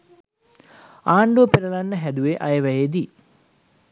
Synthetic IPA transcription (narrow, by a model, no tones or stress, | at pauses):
aːɳɖuəpeɾəlanːəɦæd̪uʋeʔajəʋæjed̪i